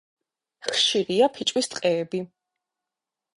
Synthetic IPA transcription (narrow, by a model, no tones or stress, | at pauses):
χʃiɾiapʰit͡ʃʼwist̪ʼqʼɛːbi